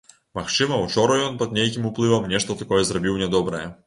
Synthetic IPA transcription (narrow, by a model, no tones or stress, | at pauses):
maxt͡ʂɨmɐwt͡ʂɔɾɐjɔnpɐd̪̚nʲejkʲimuplˠɨvɐmnʲɛʂt̪ɐt̪akɔjɛzrɐbʲiwnʲɛd̪ɔbɾɐjɛ